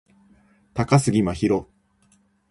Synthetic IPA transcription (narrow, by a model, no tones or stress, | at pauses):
t̪akasɨɡʲimaçiɾo̞